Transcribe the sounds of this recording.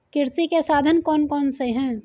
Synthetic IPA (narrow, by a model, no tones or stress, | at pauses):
kiɾsikesad̪ʱənkɔnkɔːnsəɦɛ̃